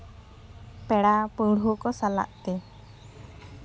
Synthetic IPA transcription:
pɛɽapəɽukɔsala̰ʔt̪ɛ

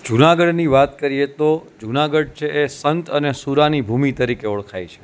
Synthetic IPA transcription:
d͡ʒunaɡəɖniʋat̪kəɾijet̪od͡ʒunaɡəɖ̚t͡ʃʰeʔesənt̪ənesuɾanibʱumit̪əɾikeɔɭkʰajt͡ʃʰe̥

